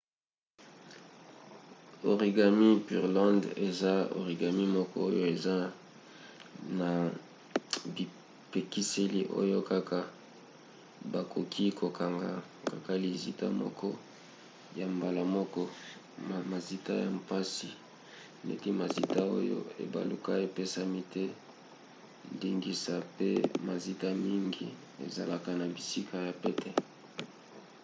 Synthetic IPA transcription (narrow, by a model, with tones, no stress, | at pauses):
o˨ʁi˨ɡa˨mi˦pi˨ʁlã˦nde˨za˦o̰˨ʁi˨ɡa˨mi˦mɔ˦kɔ˦o˦jo˦e˨za˦ | na˨ | bi˨ | pe˨ki˦se˦li˦ʔo̰˦jo˦ka˦ka˨ | ba˨kʰo˨kʰi˦kʰo˨ka˨ŋɡa˨ | ka˨ka˦li˨zi˦ta̰˦mɔ̰˦kɔ˦ | ja˨mba˨la˨mɔ˦kɔ˦ | m˨ma˨zi˦ta˦ja̰˨mpa˦si˨ | nḛ˨ti˦ma˨zi˦ta˦o̰˦jo̰˦ḛ˨ba̰˨lu˦ka˦e˦pe˦sa˦mi˦tɛ˦ | n˦di˦ŋɡi˨sa˨pe˦ma˨zi˦ta˦mi˦ŋɡi˨ | ḛ˨za˨la˨ka˨na˨bi˨si˦kʰa˦ja˨pɛ˦tʰɛ˦